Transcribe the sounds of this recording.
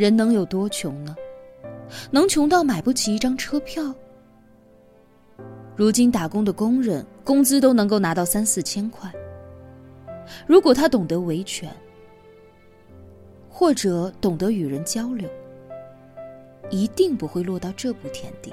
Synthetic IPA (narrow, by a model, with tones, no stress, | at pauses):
ɻə˧˥nnɤ˧˥ŋjo˨˩ʊt̪wɔ˥t͡ɕʰjʊ˧˥ŋnə˧ | nɤ˧˥ŋt͡ɕʰjʊ˧˥ŋt̪ɑ˥˩ʊma˨˩ɪpu˥˩t͡ɕʰi˨˩i˥˩ʈ͡ʂɑ˥ŋʈ͡ʂʰɤ˥pʰjɑ˥˩ʊ | ɻu˧˥t͡ɕi˥nt̪a˨˩kʊ˥ŋd̪ə˨kʊ˥ŋɻə˥˩˦nkʊ˥ŋt͡sɹ̩˥t̪o˥ʊnɤ˧˥ŋk̬o˥˩ʊna˧˥t̪ɑ˥˩ʊsa˥nsɹ̩˥˩t͡ɕʰjɛ˥nkʰwa˥˩ɪ | ɻu˧˥kwɔ˨˩t̪ʰa˥t̪ʊ˨˩ŋt̪ɤ˧˥we˧˥ɪt͡ɕʰɥɛ̰˧˥n | xwɔ˥˩ʈ͡ʂɤ˨˩˦t̪ʊ˨˩ŋt̪ɤ˧˥y˨˩ɻə˧˥nt͡ɕjɑ˥ʊljo˧˥ʊ | i˧˥t̪i˥˧ŋpu˧˥xwe˥˧ɪlwɔ˥˧t̪ɑ˥˧ʊʈ͡ʂɤ˥˩pu˥˩t̪ʰjɛ̰˥nt̪ḭ˥˩